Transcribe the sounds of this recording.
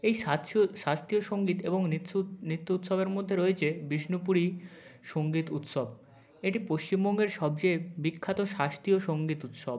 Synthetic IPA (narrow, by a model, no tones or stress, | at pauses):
ejaʃast̪ioʃoŋɡit̪eboŋnnɾit̪ːuut̪ʃobeɾmod̪ʱːeɾoet͡ɕʰebiʃnupuɾiʃoŋɡit̪ut̪ʃob | eʈipoʃt͡ɕimbɔŋɡeɾʃɔb̚d͡ʑebikʰːat̪oʃast̪ioʃoŋɡit̪ut̪ʃob